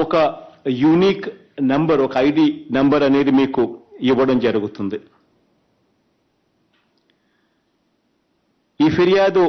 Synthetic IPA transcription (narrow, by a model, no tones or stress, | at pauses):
ɔkɐjuniːk | nɐmbɐɾɔkɐɐjɖiːnɐmbɐɾɐneːd̪imiːkuiʋːɐɽɐmd͡ʒɐɾuɡut̪und̪i | iːpʰeɾijaːd̪u